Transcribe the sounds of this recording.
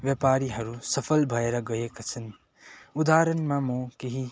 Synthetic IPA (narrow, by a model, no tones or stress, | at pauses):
ʋjepaɾiɦʌɾusʌpʰəlbʱʌeɾaɡʌjekat͡sʰən | ud̪aɾənmamõkeɦi